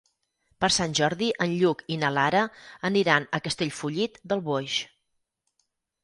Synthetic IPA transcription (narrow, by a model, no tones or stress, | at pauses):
pəɾsanʲʒɔɾðiʔənʎukinəlaɾəəniɾanəkəst̪eʎfuʎit̪d̪əlˠβoʃ